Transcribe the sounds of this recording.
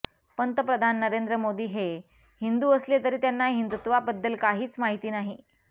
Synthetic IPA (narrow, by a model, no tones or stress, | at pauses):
pənt̪əpɾəd̪ʱanːəɾend̪ɾəmod̪iːɦe | hind̪uːəslet̪əɾiːt̪janːaɦind̪ut̪ʋabəd̪ːəlkaɦiːt͡smaɦit̪iːnaɦi